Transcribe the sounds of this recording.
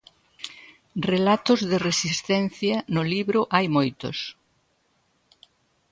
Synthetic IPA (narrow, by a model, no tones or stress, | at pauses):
relat̪ʊzðɪresist̪ɛn̟θjɐnʊliβɾʊʔajmojt̪ʊ̰s